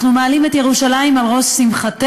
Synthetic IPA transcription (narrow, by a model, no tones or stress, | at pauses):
χnumealimetjeʁuʃalaimalʁo̞simχate